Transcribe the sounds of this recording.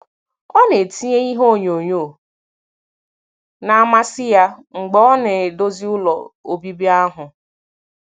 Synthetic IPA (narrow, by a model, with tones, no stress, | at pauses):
ɔ˦ne˨ti˦ɲe˦i˦ɦo˦˨ɲo˨ɲo˦˨ | na˨a˦ma˦sɪ˦ja˦ŋ͡m̩˨ɡ͡bɔ˦ɔ˦ne˨do˦zi˦ʊ˦lɔ̰˨o˨bi˦bi˦a˦ɦʊ˨